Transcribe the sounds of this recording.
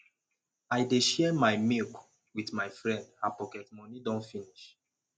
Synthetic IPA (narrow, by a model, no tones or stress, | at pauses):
ajdeʃɛmajmik | witmajfɹɛ̃ndapɔkɛtmɔnidɔ̃nfiniʃ